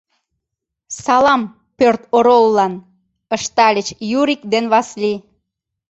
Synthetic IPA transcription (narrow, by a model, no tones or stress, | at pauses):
sɑlɑm | pørt̪oɾolːɑn | əʃt̪ɑlʲət͡ɕjuɾikd̪enβɑsli